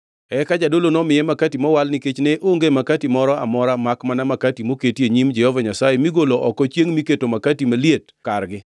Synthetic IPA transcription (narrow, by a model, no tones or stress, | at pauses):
ɛkad͡ʒadolonɔmɪjɛmakatimɔwalnɪket͡ʃnɛʔoŋɡemakatimɔɾɔa̰mɔɾamakmanamakatimoketieɲimd͡ʒɛhovaɲasajemiɡoloʔɔkɔt͡ʃjeŋmiketomakatimaliet | karɡɪ